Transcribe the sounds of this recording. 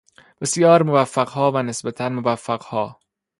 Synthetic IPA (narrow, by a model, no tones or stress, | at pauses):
b̥e̞sjɒːɾmovæfːæɡhɒːvænesbæt̪ʰænmovæfːæɢ̥hɒː